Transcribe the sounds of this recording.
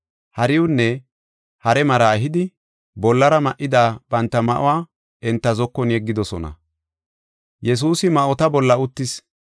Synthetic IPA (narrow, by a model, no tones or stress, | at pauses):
hɐɾɪʊnːɛ | hɐɾɛmɐɾaːɦɪd̪ɪ | bɔlːɐɾɐmɐʔɪd̪aːb̥ɐnt̪ːɐmɐʔʊ̰waː | ʔɛnt̪ːɐzɔkːɔnjɛɡːɪd̪ɔsɔnɐ̰ | jɛs̬uːsɪmɐʔɔt̪ɐbɔlːɐʊt̪ːɪs